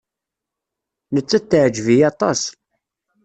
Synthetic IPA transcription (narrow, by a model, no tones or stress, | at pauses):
nət͡sːæt̪ːʕd͡ʒvijɑt̪ˤɑs